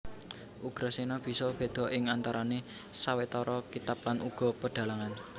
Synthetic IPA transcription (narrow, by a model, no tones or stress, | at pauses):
ʔuɡ̥ɾasenɔb̥i̤sɔb̥e̤d̪̥ɔ̤ʔɪŋant̪aɾane | sawet̪ɔɾɔkit̪ap̚lanʔuɡ̥ɔ̤pəɖ̥a̤laŋan